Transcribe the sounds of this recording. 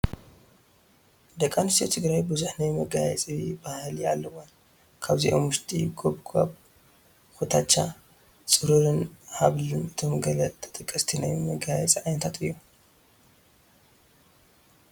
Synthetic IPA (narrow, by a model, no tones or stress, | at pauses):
d̪ɐkʼːanust̪ʰit̪ʰɨɡɾajbɨzuħnajmɐɡajɛt͡sʼibahlialːɐwon | kʰaβziʔomwʊʃt̪ʰʼiɡoβɡʰʼaβ | xut̪ʰat͡ʃːa | t͡sʼɨɾuɾɨnhaβlɨnɨt̪ʰo̞mɡɐlɐt̪ʰʼɨ̥t̪ʼɨkʼːɐst̪ʰinajmɐɡajɛt͡sʼiʕajnɐt̪ʰat̪ʰɨjːu